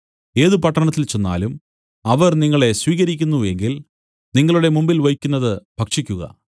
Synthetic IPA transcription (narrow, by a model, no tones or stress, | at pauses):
e̞ːðɨpɐʈːɐɳɐt̪ːilt͡ɕo̞nːa̰ːlum | ɐʋɐrniŋːɐɭe̞sʋiːɣɐɾikʲːunːue̞ŋɡil | niŋːɐɭuɽe̞mumbilʋɐjkʲːunːɐðɨb̥ʱɐkʂikʲːuɣɐ̰